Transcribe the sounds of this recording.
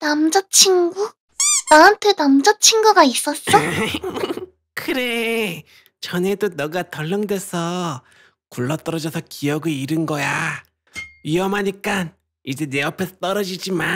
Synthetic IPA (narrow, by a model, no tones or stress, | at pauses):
namd͡ʑʌt͡ɕʰiŋɡu | naɦantʰenamd͡ʑʌt͡ɕʰiŋɡuɡais͈ʌs͈ʌ | kɯɾe | t͡ɕʌne̞donʌɡatʌɭːʌŋdwe̞sʰʌ | kuɭːʌt͈ʌɾʌd͡ʑʌsʰʌkijʌɡɯiɾɯnɡʌja | iʌmaɲik͈an | id͡ʑe̞ne̞ʌpʰesʰʌt͈ʌɾʌd͡ʑid͡ʑima